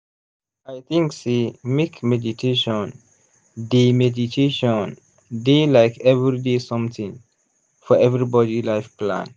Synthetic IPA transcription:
ajt̪ʰĩŋksimikmɛditʰeʃɔ̃n | demɛditʰeʃɔ̃n | delaɪkʰɛvɾidesʌ̃mt̪ʰĩŋ | fɔɛvɾibɔdilaɪfplã̰n

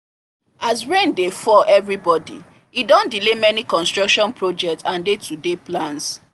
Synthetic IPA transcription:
asɹẽndefɔʔɛvɹibɔdḭ | idɔ̃ndilemɛnikɔ̃nstɹɔkʃɔ̃npɹod͡ʒɛk̚tsãndetʰudeplãns

